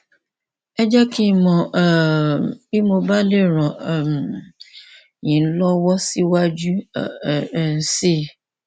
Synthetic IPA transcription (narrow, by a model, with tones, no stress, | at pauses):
ɛ˦d͡ʒa˦ki˦mɔ̃˨ | i˦mo˧ba˦le˦˨ɾ̃ɔ̃˨m˨ | jĩ˨˦lɔ˦wɔ˦si˦wa˦d͡ʒu˦˨ | n̩˨si˦˨